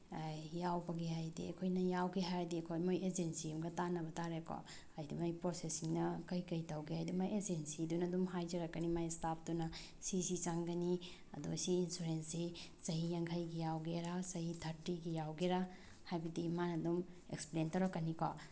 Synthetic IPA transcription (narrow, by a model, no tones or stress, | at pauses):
ajawbɐɡihajdḭɐ̰kʰojnɐjawɡeɦajdiɐkʰojmojed͡ʒensiimɡɐtanɐbɐtaɾeko̰ | ajdimajpɾosesiŋnɐkɐjkɐjtɐwɡihajdimajed͡ʒensidunɐdumɦajd͡ʒɐɾɐkːɐnimajstap̚ʰdunɐ | sisit͡ʃaŋɡɐni | ɐ̰dṵɐsiːnsuɾensisɐɦijɐŋkʰɐjɡijawɡeɾasɐhitʰɐɾtiɡijawɡeɾa | hajbidimanɐdum | ḛksplentɐwɾɐkːɐnikɔ